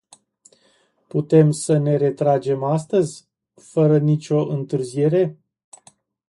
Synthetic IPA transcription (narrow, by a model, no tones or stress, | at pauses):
put̪e̞msəne̞ɾe̞t̪ɾad͡ʒe̞mast̪əzʲ | fəɾənit͡ʃʲo̞ʔɨnt̪ɨrzije̞ɾe̞